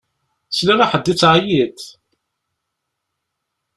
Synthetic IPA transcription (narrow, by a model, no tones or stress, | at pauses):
slæɾaħəd̪ːit͡sːʕjit̪